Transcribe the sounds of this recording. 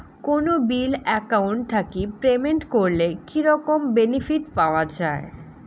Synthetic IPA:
konobilɛkawɳʈt̪ʰakipɾemeɳʈkoɾlekiɾɔkombenifiʈpaoad͡ʑae

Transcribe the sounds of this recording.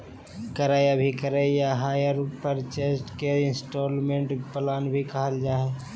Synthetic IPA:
kəɾaːjabʱikəɾejaɦaːjəɾpəɾt͡ʃeːsʈkeɪnsʈoːlmẽːɳʈpəlaːnbʱikəɦəld͡ʒaːɦe

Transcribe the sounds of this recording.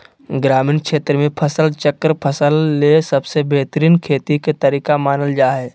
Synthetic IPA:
ɡɾaːmiːnkʃeːt̪ɾəmẽpʰəsəlt͡ʃəkːəɾpʰəsəlːesɐbsebʱeːt̪ɾiːnkʰeːt̪iket̪əɾiːkamaːnəld͡ʒaːɦɛː

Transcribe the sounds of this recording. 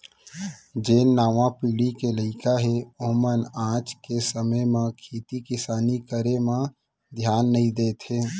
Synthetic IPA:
d͡ʒeːnːaːʋãpiːɽikeləɪkaɦeoɦmənãːt͡ʃkesəməjmãkʰiːt̪ikɪsaːnikəɾemã | d̪ʱjaːnːəɦĩd̪eːt̪ɦeː

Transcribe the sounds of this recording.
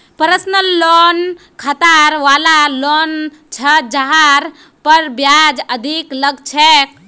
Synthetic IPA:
pəɾəsnəlːon | kʰət̪aɾʋalalon | t͡ʃʰəd͡ʒəɦaɾ | pəɾbjad͡ʒəd̪ʱikləɡt͡ʃʰek̚

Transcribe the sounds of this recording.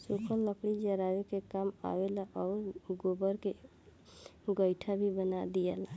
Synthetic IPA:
sukʰəlːəpɽid͡ʒəɾawekekama̰welaʔɔːɾɡobəɾke | ɡəjʈʰabʱibənad̪ijela

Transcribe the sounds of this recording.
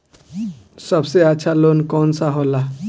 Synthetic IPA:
sɔbseaːt͡ʃʰalonkɔnsaɦola

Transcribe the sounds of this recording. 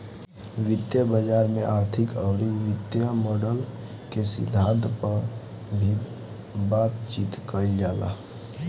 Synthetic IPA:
ʋɪt̪jəbəd͡ʒaːɾmẽʔaːɾt̪ʰɪkəwɾiʋɪt̪jəmɔɖəl | kesɪ̰d̪ʱãnt̪pəɾ | bʱi | bat̪t͡ʃit̪kəild͡ʒaːla̰

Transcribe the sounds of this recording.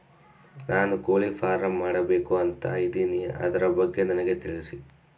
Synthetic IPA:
nʔaːnukoːlifʰaːɾɐmːaːɽɐbeːkuɐnt̪ɐ̰ɐjd̪inijɐ̰ʔɐ̰d̪ɐɾɐbɐɡːenɐnɐɡe̞t̪iɭisi

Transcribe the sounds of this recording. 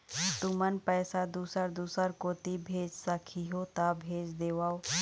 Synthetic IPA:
t̪umənpɛːsad̪uːsəɾd̪uːsəɾkoːt̪ibʱeːd͡ʒsəkʰiɦot̪abʱeːd͡ʒd̪eːʋaːo

